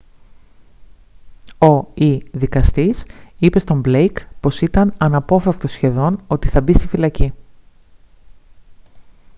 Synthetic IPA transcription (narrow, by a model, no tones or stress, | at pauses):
o̞iðikɐst̪isipe̞st̪o̞mblejkpo̞sit̪ɐnɐnɐpo̞fɾɐk̚t̪o̞sçe̞ðo̞no̞t̪iθɐbist̪ifilɐci